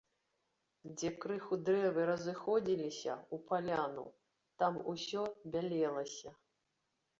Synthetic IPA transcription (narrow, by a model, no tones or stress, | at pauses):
d͡zʲɛkɾɨxud̪ɾɛvɨɾɐzɨxɔd͡zʲilʲisʲɐ̰upalʲanṵ | t̪amusʲɔbʲalʲɛlˠɐsʲɐ